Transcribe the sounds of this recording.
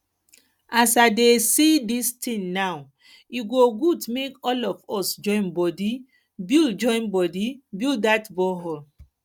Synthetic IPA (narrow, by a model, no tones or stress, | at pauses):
asadesidistʰĩŋnaw | iɡoɡudmekɔlɔfɔsd͡ʒɔ̃ɪ̃nbɔdi | bild͡ʒɔ̃ɪ̃nbɔdibildatbɔɦɔ